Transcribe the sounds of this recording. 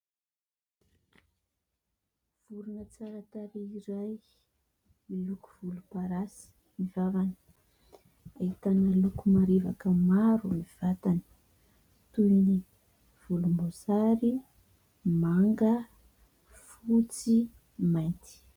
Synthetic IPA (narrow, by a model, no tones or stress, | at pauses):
v̥uɾunət͡saɾat̪aɾiiɾaj | iluku̥v̥ulupaɾasi̥ | mivavanə̥ | ahit̪anəlukumaɾevakəmaɾumiv̥at̪anə̥ | t̪ujni | v̥ulumbozaɾi | maŋɡə | fut͡si | majnt̪i̥